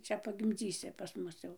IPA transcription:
ˈt͡ʃʲɛ pɐɡʲɪmʲˈd͡zʲiːsʲɪ pɐs ˈmʊs jɛʊ

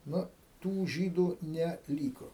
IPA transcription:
ˈnʊ ˈtuː ˈʒʲiːduː nʲɛ ˈlʲiːkoː

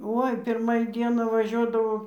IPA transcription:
ˈoːɪ ˈpʲɪrmɐ iː ˈdʲiɛnɑː ʋɐˈʒʲuɔdɐʋoː

